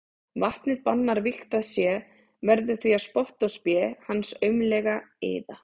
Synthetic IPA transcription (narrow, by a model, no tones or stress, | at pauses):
vaht̪nɪðpanːaɾvɪxt̪aðsjɛ | vɛɾðʏ̥θviaspɔht̪ɔspjɛhanːsœɥmlɛɣaḛːða